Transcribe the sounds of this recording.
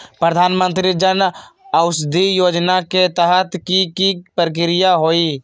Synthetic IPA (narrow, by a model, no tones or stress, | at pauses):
pɾəd̪ʱaːnmə̃nt̪ɾid͡ʒənəʊsd̪ʱijoːd͡ʒnaket̪əɦət̪kikipɾək̬ɪɾɪjaɦoːi